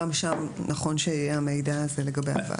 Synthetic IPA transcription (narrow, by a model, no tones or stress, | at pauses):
amʃamnaχo̞nʃeijeamejdaːzele̞ɡabeja̰va̰